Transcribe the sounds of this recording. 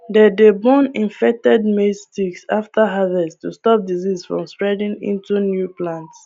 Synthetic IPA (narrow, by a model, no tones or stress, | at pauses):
dɛdebɔ̃nĩnfɛk̚tɛd̚mistiksaftʰaɦavɛstustɔp̚dizizfɹɔ̰̃mspɹɛdĩŋḭ̃ntunjuplãnts